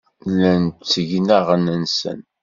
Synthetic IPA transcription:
lːænt͡sːəʝnæʁənənsə̰n

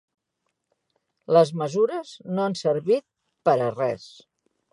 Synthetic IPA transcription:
ləzməzuɾəznoansəɾβit̪̚ | pəɾərɛ̰s

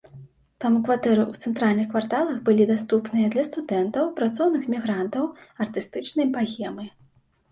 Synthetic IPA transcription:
t̪amukvat̪ɛɾɨʔut̪sɛnt̪ɾalʲnɨxkvart̪alˠɐxbɨlʲid̪ast̪upnɨjɐd̪lʲɐst̪ud̪ɛnt̪ɐwpɾat̪sɔwnɨxmʲiɣɾant̪ɐwɐrt̪ɨst̪ɨt͡ʂnɐjpaɣʲɛmɨ

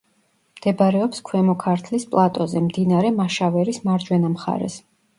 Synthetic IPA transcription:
md̪̥ɛbaɾɛɔpskʰwɛmɔkʰaɾt̪ʰlispʼlˠat̪ʼɔzɛmd̪inaɾɛmaʃavɛɾismaɾd͡ʒwɛnamχa̰ɾɛ̰s

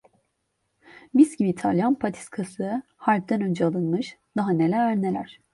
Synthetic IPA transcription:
bisɟibiːt̪ʰalʲjanpʰat̪ʰi̥skʰasɯ | haɾp̚d̪ænø̞nd͡ʒɛalˠɯnmɯʃd̪̥aɦanelʲæɾæɾnelʲæɾ̝̥

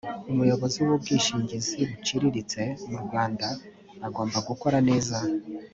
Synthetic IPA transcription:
umujo̞βo̞ziuwub̚ɡiːʃiːɲɟiziɾut͡ʃiɾiɾit͡se̞muɾuɡwaːndaː | ɡo̞ːmbaɡuko̞ɾane̞ːza

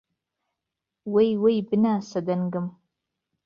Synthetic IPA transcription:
wejwejbɨnaːsɐd̪ɐnɡɨm

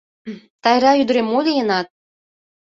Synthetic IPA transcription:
t̪ɑjɾɑyd̪əɾemːod̪ejənɑt̪̚

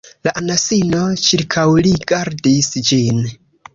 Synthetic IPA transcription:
laʔanasinot͡ʃiɾkʰawliɡaɾdisd͡ʒin

